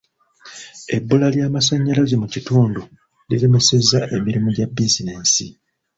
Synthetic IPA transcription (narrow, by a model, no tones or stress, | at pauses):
e̞bːulaljaːmasaɲːalazemucituːndu | lileme̞se̞zaʔe̞miɾimuɟabːizine̞ːnsḭ